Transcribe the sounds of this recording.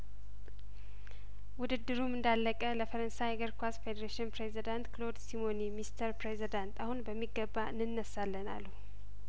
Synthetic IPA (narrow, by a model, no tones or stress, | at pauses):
wʊd̪ɨd̪ːɨɾumɨnd̪alːəkʼələfəɾənsajɡəɾkʰʷasfed̪əɾeʃɪnpɾezid̪ant̪klo̞d̪simonimist̪ʰəɾpɾezid̪ant̪ʰahunbəmːiɡːəbːaɨnːɨnːəsalːəna̰lːu